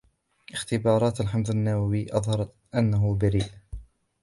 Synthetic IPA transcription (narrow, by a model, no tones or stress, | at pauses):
ʔɪxt̪ɪbɑːɾˤɑːt̪alħamðˤanːawawiːʔɑðˤhɑɾˤɑ | ʔanːaɦʊbaɾiːʔ